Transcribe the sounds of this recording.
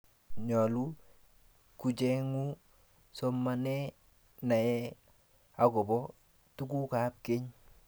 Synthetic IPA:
ɲɔ˨lu˦ | ku˨d͡ʒɛ˦ŋu˦ | sɔ˦mːa˨nɛ˦ | na˨jɛ˦ | a˨ɡɔ˨bɔ˦ | tu˦ku˦ka˨˦p̚ke˦ɲ

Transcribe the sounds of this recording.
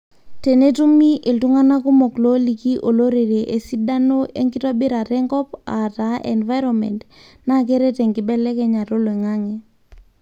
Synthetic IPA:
te˨ne˦tu˦mi˦ʔe˨ltu˦ŋa˦na˦ku˦mɔ˨klo˦li˨ki˦ʔo˨lo˦ɾe˨ɾe˨ʔe˨si˦da˦no˦ʔḛ˦ŋki˦tɔ˦bi˦ɾa˨ɾɛ˦ŋɡɔ˦pa˨ta˨˦ʔḛ˨nva˦jɾɔ˨mɛ̰˨nt | na˦k̬e˦ɾe˦te˨ŋɡi˨bɛ˦lɛ˦kɛ˦ɲa˨to˦lwe˨ŋa˦ŋɛ

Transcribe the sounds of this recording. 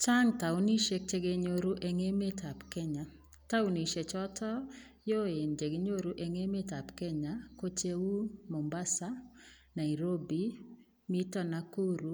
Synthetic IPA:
t͡ʃa˦ŋta˨uni˦ʃe˦k̚t͡ʃe˦ɡe˦ɲoɾu˦ʔeŋe˦me˦tʰa˨pkɛ˦ɲa | ta˦u˦ni˨ʃe˨t͡ʃɔtʰɔ˦ | jo˦e˨nd͡ʒe˨ɡe˦ɲo˦ɾuʔe˨ŋe˦me˦ta˨pkɛ˦ɲako˦t͡ʃe˦wu˦mo˨mba˦sa | na˨iɾo˦bi˦ | mi˦tɔ˦naku˦ɾu˨

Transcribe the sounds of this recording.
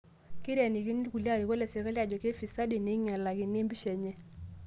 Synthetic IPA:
kɪ˦ɾja˨ni˨ki˦ni˦ku˨lja˦˨ɾi˨ko˦lɛ˨se˨ka˦lja˨d͡ʒɔ˨ke˦fi˨sa˦di˨ne˨˦ŋa˨la˨kɪ˨ne˦mbi˦ʃɛ˨ɲɛ˦

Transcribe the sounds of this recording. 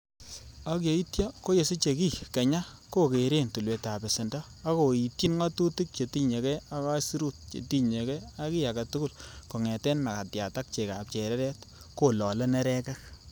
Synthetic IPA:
a˦kje˨˦i˦tja˦ko˦je˨si˦t͡ʃe˨ki˦ke˨ɲa˦ko˦ke˨ɾe˦˨ntu˨lwe˨ta˨be˨sɪ˨ndɔ˦ | a˦ko˨i˨tji˦nŋa˦tu˦ti˦k̚t͡ʃe˨ti˦ɲe˨kɛ˦a˦ka˦si˦ɾu˦˨t̚t͡ʃḛ˨ti˦ɲe˨kɛ˦a˦ki˦a˨ka˨tu˦ɡu˦˨lko˨ŋɛ˨tɛ˦nma˨ka˨tja˨ta˦k̚t͡ʃe˨ka˨p̚t͡ʃe˨ɾɛ˦ɾɛ˦t | ko˦lɔ˨lɛ˦nɛ˦ɾɛ˦kɛ˦

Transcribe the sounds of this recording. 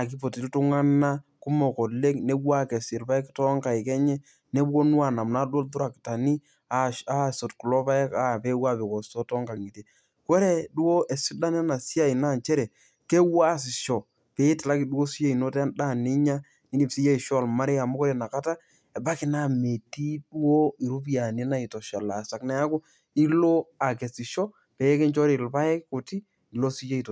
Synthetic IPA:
a˨ki˦po˨ti˨ttʊ˦ŋa˦na˦kʊ˦mɔ˨kɔ˨le˦kne˦wa˦kɛ˨sɪ˨ɾpa˦ɪ˦ktɔ˦ŋka˨ɪ˨kɛ˦ɲɛ˦ | ne˦bo˦n˦a˦˨na˨mna˦do˦lt̬ʊ˦ɾa˨kta˨ni˦ | a˨a˦so˨tku˨lɔ˦pa˦ka˨pe˦wa˦pe˨kɔ˨sɔ˦tɔ˦ŋka˨ŋi˨te˨ | ko˦ɾe˦du˦wo˦ʔɛ˨si˦da˦nɛ˦na˨si˦a˦˨i˨na˦˨nt͡ʃɛ˦ɾɛ˨ | ke˦wa˦s̬ɪ˨ʃɔ˨ | pe˨˦tɪ˨la˦ki˨dwo˦si˦t͡ʃe˦i˨no˦tɛ˦da˦˨ne˦ɲa˦ | ni˦ni˦psi˦je˦i˨ʃɔ˦˨lma˦ɾe˦a˨mu˦kɔ˦ɾe˨na˨ka˦ta˦ | ɛ˨ba˦kɪ˦na˨me˨ti˦du˦wo˦i˨ɾu˦p̬ja˨ni˦na˦˨i˨tɔ˨ʃa˨la˨sa˨knɛ˦a˦kʊ˦ | i˦lo˦a˨kɛ˨si˨ʃɔ˦ | pɛ˨˦kɛ˦nt͡ʃɔ˦ɾi˨lpa˦ɛ˦kko˨ti˦ | i˨lo˦si˦je˦i˨t

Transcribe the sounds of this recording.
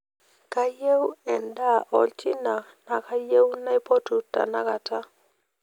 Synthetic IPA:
ka˦je˦wɛ˨nda˦˨ʔɔ̰˨lt͡ʃɪ˦na˨na˨ka˦je˦wna˦i˦po˦tu˨ta̰˨na˦ka˨ta˦

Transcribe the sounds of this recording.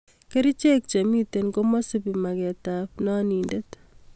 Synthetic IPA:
ke˦ɾi˦t͡ʃe˦k̚t͡ʃe˨mi˦te˨nko˦ma˦si˦pi˨ma˨kɛ˨ta˨pnɔ˦ni˨nde˦t

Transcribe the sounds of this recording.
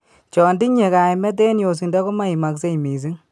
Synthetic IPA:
t͡ʃɔː˨ndi˦ɲe˨ka˨jmɛ˦t̬e˦njo˨s̬i˨nda˦ku˦ma˦i˨ma˨kse˦˨miː˨s̬i˦ŋ

